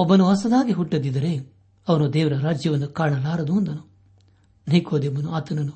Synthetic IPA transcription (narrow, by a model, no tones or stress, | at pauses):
ɔbːɐnuɦɐsɐd̪aːɡiɦuʈːɐd̪id̪ɐɾe | ɐʋɐnud̪ɛːʋɐɾɐɾaːd͡ʒjɐʋɐnːukaːɳɐlaːɾɐd̪uɐnd̪ɐnu | niːkʰoːd̪ebɐnuaːt̪ɐnɐnu